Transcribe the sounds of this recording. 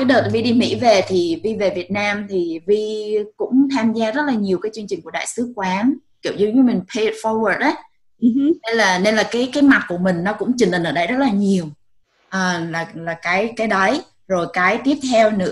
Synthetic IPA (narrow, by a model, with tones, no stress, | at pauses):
kaː˨˦jɗəː˨˩t̚vi˧ɗi˧mḭ˧˥ve˨˩t̪ʰi˨˩vi˧ve˨˩vi˨˩ət̚naː˧mt̪ʰi˨˩vi˧kʊ̰˧˥ŋ͡mt̪ʰaː˧mzaː˧zə˦˥t̚laː˨˩ɲi˨˩əwkaː˨˦jt͡ɕɨ˧əŋt͡ɕï˨˩ŋ̟ku˧˩əɗa̰ː˧˨jsɨ˨˦kwaː˨˦n | ki˧˩əwzɨ̰˧ɲɨ˧˦mï˨˩ŋ̟pʰe˧tfɔ˧wəː˨˩t̚ʔə˨˦˨ | ne˧nlaː˨˩ne˧nlaː˨˩kaː˨˦jkaː˨˦jma˨˩t̚ku˧˩əmï˨˩ŋ̟nɔ˨˦kʊ̰˧˥ŋ͡mt͡ɕi˨˩ŋə˨˩nʔəː˧˩ɗə˧jzə˦˥t̚laː˨˩ɲi˨˩əw | ʔəː˨˩laː˨˩laː˨˩kaː˨˦jkaː˨˦jɗə˨˦j | zo˨˩jkaː˨˦jt̪i˦˥əp̚t̪ʰɛ˧wnɨ̰˧˥